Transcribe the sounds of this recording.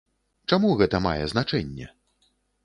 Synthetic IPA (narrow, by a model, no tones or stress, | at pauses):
t͡ʂamuɣɛt̪ɐma̰jɛznat͡ʂɛnʲːɛ̰